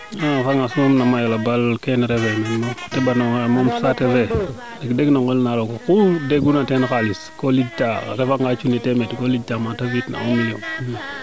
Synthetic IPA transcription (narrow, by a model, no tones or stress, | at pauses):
afaŋasmomnamajalabalkenɾevemenmotebanoŋmomsateve | dikdeɡnoŋɡolnalokokudeɡunatenxaliskolid͡ʒtaɾefaŋɡat͡ʃunitemetkolid͡ʒtamatavitna̰omilo̰m